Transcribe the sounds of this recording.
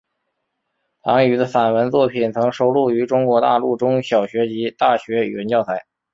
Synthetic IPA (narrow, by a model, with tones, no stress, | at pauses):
lɑ̰˧˥ŋy˨˩d̪ə˧fa˨˩nwə˧˥nt͡swɔ˥˩pʰi˨˩nt͡sʰɤ˧˥ŋʂo˧˥ʊlu˥˩y˧˥ʈ͡ʂʊ˥ŋkwɔ˧˥t̪a̰˥˧lu˥˩ʈ͡ʂʊ˥ŋɕjɑ˨˩ʊɕɥɛ˧˥t͡ɕi˧˥t̪a˥˩ɕɥɛ˧˥y̰˨˩wə˧˥nt͡ɕjɑ˥˩ʊtʰa˧˥ɪ